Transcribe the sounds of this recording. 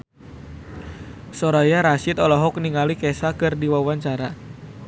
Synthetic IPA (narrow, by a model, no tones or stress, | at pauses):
sɔɾajaɾaʃɪt̪ɔlɔɦɔk̚niŋalikɛsakɨrdiwawaɲt͡ʃaɾa